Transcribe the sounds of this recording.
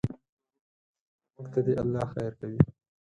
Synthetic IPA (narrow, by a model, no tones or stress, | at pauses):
mʊkt̪ad̪eʔalːɑxajɾkawi